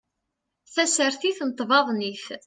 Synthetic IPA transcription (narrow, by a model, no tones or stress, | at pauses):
θæsəɾθiθnət̪ˤːvɑðˤniθ